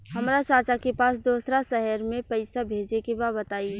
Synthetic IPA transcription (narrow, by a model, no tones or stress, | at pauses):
hɐmɾat͡ʃaːt͡ʃakepaːsd̪oːsɾaʃɛɦəɾmẽpəɪsabʱeːd͡ʒekebaːbət̪aːi